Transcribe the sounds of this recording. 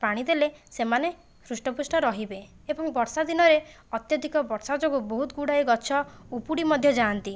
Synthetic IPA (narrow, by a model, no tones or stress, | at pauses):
paɽ̃id̪elesemane | sɾusʈɔpusʈɔɾɔɦibe | ebɔŋbɔɾsad̪inɔɾe | ɔt̪jɔd̪ʱikɔbɔɾsad͡ʒoɡubɔɦut̪ɡuɽajɡɔt͡ʃʰɔupuɽimɔd̪ʱjɔd͡ʒaːnt̪i